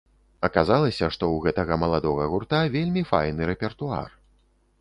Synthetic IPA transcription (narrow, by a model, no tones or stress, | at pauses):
ɐkazalˠɐsʲɐʂt̪ɔwɣɛt̪ɐɣɐmɐlˠad̪ɔɣɐɣurt̪avʲelʲmʲifa̰jn̪ɨɾɛpʲɛrt̪ua̰r